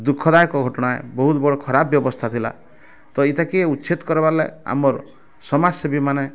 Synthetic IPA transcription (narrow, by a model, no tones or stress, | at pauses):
d̪ukʰːɔd̪ajkɔɡʱɔʈɔɽ̃aḛbɔɦut̪bɔɽɔkʰɔɾabjɔbɔst̪ʰat̪ʰila̰ | t̪ɔit̪ʰakieutːt͡ʃit̪kɔɾebaɾlea̰mɔɾ | sɔmad͡ʒsɔbimane